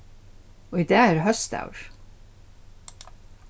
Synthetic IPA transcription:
oːɪd̪æːæːɾhœst̪ɑ̰ʊɹ

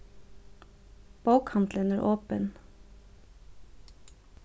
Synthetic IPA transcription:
b̥ɑʊkʰɑnd̪lənæːɾʔoːpən

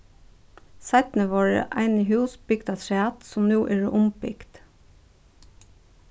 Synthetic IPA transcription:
sæɪt̪n̩əʋɑːɹə̰ʔæɪnəhʉːsb̥ʏɡd̪ɑt̪ʰɾɑːt̪sɔmnuːʔeːɖḛʔʊmpɪ̰kt̪

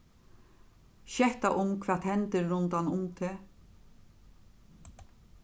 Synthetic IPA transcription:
ʃɛht̪aʔʊmkʰʋaːt̪hɛnt̪əɾːʊnt̪ɑnʊmt̪ʰɪ

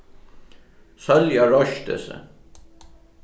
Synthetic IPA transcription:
sœljaɹɔʃt̪ə̰sə̰

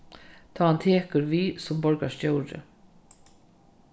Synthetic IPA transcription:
t̪ʰaːant̪ʰeːkəɾviːsʊmbɔɹka̰st͡ʃœwɾɪ̰

